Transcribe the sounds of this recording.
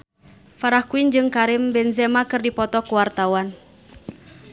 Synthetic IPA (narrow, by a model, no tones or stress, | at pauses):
faɾahkuind͡ʒɨŋkaɾimbɛnzɛmakɨrdipɔt̪ɔkuwart̪awan